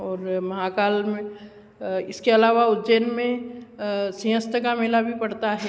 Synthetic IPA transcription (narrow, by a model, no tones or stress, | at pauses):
ɔːɾmɐɦakaːlmẽ | ɪskeɐlaːʋaʊd̪d͡ʒeːnmẽ | siɦə̃st̪əkamɪlabʱipɐɽt̪aɦɛː